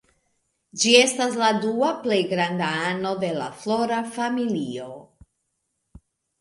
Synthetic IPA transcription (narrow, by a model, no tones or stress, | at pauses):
d͡ʒie̞stasladuaple̞jɡɾandaano̞de̞la̰flo̞ɾafamilio̞